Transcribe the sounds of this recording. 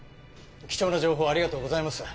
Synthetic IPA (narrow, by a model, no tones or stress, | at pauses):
kʲi̥t͡ɕo̞ːnad͡ʑo̞ːɦoːaɾʲiɡat̪o̞ːɡo̞zaimasɨ̥